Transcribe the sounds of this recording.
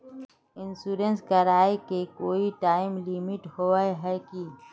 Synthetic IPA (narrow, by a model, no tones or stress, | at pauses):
ɪnsuːɾənskɐɾaːekekoːiʈaːɪmlɪmɪʈhoeɦɛki